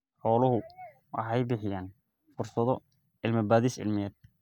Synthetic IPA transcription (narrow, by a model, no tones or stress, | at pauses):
ħɔːlɐɦʊ | wɑ̰ħɑjbɪħɪjaːn | fʊrsɐðɔ | ʔɪlmɪbaːðisʕɪ̰lmɪjɛːd̪̚